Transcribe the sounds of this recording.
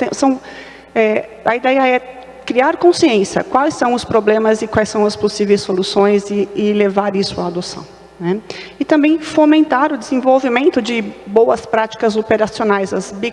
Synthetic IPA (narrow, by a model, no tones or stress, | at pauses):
t̪ẽsɐ̃w̃ | ɛ | ɐid̪ɛjɐɛ | kɾiaɾkõsiẽsjɐ̰kwajsːɐ̃w̃ʊspɾoblẽmɐzɪkwajsɐ̃w̃ɐsposivejsːolusõj̃zɪːlevaɾisʊaːd̪osɐ̰̃w̃ | nɛɪt̪ɐ̃mbẽj̃fomẽnt̪aɾʊd̪ɪzẽvowvimẽnt̪ʊd͡ʒɪbowɐspɾat͡ʃi̥kɐzopeɾasionajzɐzbi